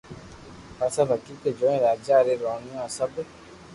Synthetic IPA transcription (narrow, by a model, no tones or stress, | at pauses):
basavakik͡ped͡ʒɔ̃ĩɾad͡ʒaɾeɾɔ̃nũasab